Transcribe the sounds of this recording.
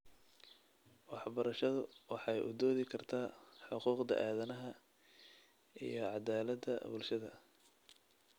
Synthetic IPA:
wɑħbɐɾɐʃɐðʊwɑħɑjʔʊ̰d̪ɔːðɪkʰɐrt̪ʰaːħʊquːqd̪ɐ̰ʔaːðɐnɐɦɐ | ḭjɞʕɑd̪aːlɐd̪ɐ̰bʊlʃɐðɐ̰

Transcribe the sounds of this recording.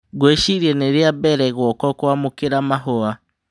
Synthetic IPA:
ɡweʃiɾiɛneɾeabɛɾɛɣwɔkɔkwamokeɾamaɦoa

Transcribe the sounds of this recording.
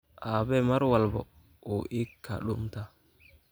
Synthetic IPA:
ʔaːbɛmɐɾwalbɔ̰ | ɔʔikːa̰ɗumt̪a

